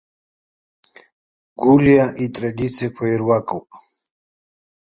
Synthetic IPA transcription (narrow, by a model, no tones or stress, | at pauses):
ɡ̥uljaʔit̪ʼɾɛɡit̪sʰɛkʷʰwɛjɾwakʼupʼ